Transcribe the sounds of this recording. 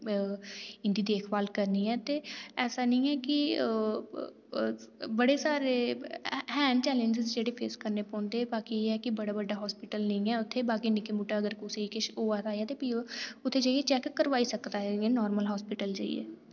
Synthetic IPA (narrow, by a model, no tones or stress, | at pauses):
ɪnd̪iːd̪eːkʰbaːlkəɾniːɛːt̪eːɛːsaːnəĩːɛːkɪ | bəɽeːsaːɾeːhɛːnt͡ʃɛːlə̃ɲd͡ʒɪzd͡ʒeːɽeːpʰḛːskəɾneːpɔ̃ːnd̪eːbaːkieːɛːkɪbəɽaːbəɖːaːɦɔːspɪʈəlnə̃ĩːɛːʊt̪ʰːeːbaːkiːnɪkeːmuːʈaːəɡəɾkuseikɪʃoːaːt̪aːjaːt̪eːpiːʊt̪ʰːeːd͡ʒaːiet͡ʃɛːkːəɾʋaːiːsəkd̪aːɛnɔːɾməlɦɔːspɪʈəld͡ʒa̰ːḭːɛ̰ː